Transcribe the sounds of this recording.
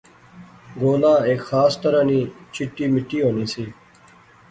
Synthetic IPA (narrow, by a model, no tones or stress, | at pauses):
ɡoːlãːeːkxaːst̪əɾãːniːt͡ʃʰɪʈːiːmɪʈːiːɦoːniːsiː